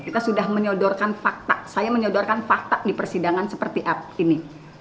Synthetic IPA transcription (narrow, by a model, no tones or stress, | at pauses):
kit̪asudahməɲɔdɔrkanfak̚t̪aʔsajaməɲɔdɔrkanfak̚t̪aʔdipərsidaŋansəpərt̪iʔap̚ini